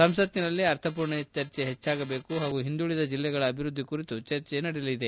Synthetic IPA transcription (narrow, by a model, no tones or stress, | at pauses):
sɐmsɐt̪ːinɐlːiɐɾt̪ʰɐp̬uːɾɳet͡ʃɐɾt͡ʃeɦet͡ʃːaːɡɐbe̞ːkuɦaːɡuɦind̪uɭid̪ɐd͡ʒilːɛɡɐɭɐːbʱiɾud̪ʱːikuɾit̪ut͡ʃɐɾt͡ʃenɐɽilid̪e